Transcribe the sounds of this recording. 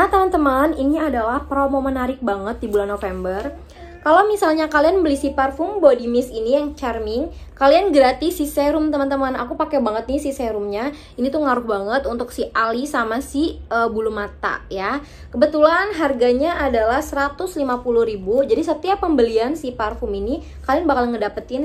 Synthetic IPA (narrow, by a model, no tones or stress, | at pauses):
mat̪əmant̪əmaniniadalahpɾomomənaɾɪk̚baŋət̪̚dibulanːofɛmbər | kalawmisalɲakalianbəlisiparfʊmbodimɪsinijaŋt͡ʃɛrmɪŋkalianɡəɾat̪ɪsisɛɾʊmt̪əmant̪əmana̰kupakɛbaŋət̪̚nɪsisɛɾʊmɲa | init̪uŋaɾʊhbaŋət̪unt̪ʊksiʔalisamasiəbulumat̪a̰ja | kəbət̪ulanɦarɡaɲaːdalahsəɾat̪ʊslimapulʊhɾibud͡ʒadisət̪iapːəmbəliansiparfʊmini | kalianbakalŋədapət̪ɪn